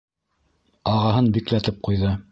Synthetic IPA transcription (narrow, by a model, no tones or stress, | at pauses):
ɑʁɑɦɤnbiklæt̪ɘp̚qujðɤ